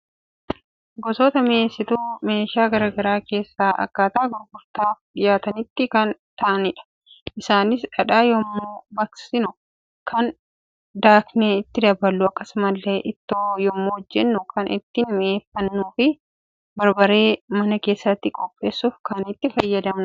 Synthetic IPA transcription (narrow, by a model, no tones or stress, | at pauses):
ɡɔsoːt̪ɐmɪeːsːɪt̪ume̞ːʃaːɡɐɾaːɡɐɾaːke̞ːsːaːʔɐ̰kːaːt̪ɐʔːɡɔɾɡʊɾt̪aːfɪjaːt̪ɐnɪt̪ːɪkɐnt̪ɐʔɐnɪᶑɐ̥ | ʔɪsaːnɪsᶑɐᶑaːjɔmːoːbɐksɪnʊ | kɐn | d̪aːkneːɪt̪ːɪd̪ɐbɐlːʊɐkːɐsʊmɐlːe̞ːʔɪt̪ːoːjɔmːoːɔd͡ʒːɛnːʊkʰɐnʔɪ̰t̪ːɪnmɪeːfːɐnːuːfɪ | bɐɾbɐɾe̞ːmɐnɐke̞ːsːɐt̪ːɪkʼɔpʼːe̞ːsːuːfkɐnɪt̪ːɪfɐjːɐd̪ɐmnʊ